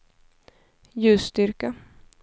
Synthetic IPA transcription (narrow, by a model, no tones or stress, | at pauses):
jʉ̟ːst̪ʏɾka